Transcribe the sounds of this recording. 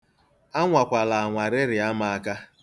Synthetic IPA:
a˦ŋʷa˨kʷa˨la˨a˨ŋʷa˨ɾɪ˦ɾɪ˨a˦ma˦a˦ka˦

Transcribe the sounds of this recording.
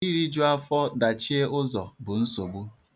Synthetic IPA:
i˦ɾi˦d͡ʒʊ˦a˦fɔ˦da˨t͡ʃi˦e˦ʊ˦zɔ˨bʊ˨n̩˦so˨ɡ͡bu˦

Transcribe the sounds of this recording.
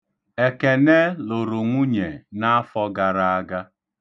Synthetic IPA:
e˨ke˨ne˦lo˨ɾo˨ŋʷu˦ɲe˨na˦a˦fɔ˦ɡa˨ɾa˦a˦ɡa˦

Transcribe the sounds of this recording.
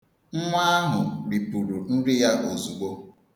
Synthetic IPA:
ŋ͡m̩˦ŋʷa˦a˦ɦʊ˨ɾi˨pu˨ɾu˨n̩˦ɾɪ˦ja˦ʔo˨zu˨ɡ͡bo˦

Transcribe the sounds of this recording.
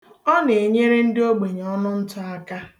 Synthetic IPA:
ɔ˦ne˨e˨ɲe˦ɾe˦n̩˦dɪ˦o˦ɡ͡be˨ɲ˨ɔ˦nʊ˦n̩˦tʊ˦a˦ka˦

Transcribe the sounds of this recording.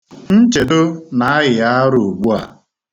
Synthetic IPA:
n̩˦t͡ʃe˨dʊ˦na˦a˦ɣɪ˨ja˦ɾʊ˨u˨ɡ͡bu˦a̰˨

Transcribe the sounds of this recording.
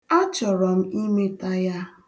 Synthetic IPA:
a˦t͡ʃɔ˨ɾɔ˨m̩˦i˦me˦ta˦ja˦

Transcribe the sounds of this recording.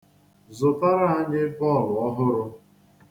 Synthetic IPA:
zʊ˨ta˦ɾa˦a˦ɲɪ˦pɔ˦˨lʊ˨ɔ˦ɦʊ˦ɾʊ˦

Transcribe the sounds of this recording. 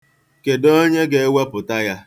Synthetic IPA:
ke˨do˦ɲe˦ɡe˨e˦we˦pʊ˨ta˦ja˦

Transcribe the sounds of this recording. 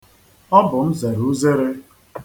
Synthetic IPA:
ɔ˦bʊ˨m̩˦ze˨ɾu˦ze˦ɾɪ˦

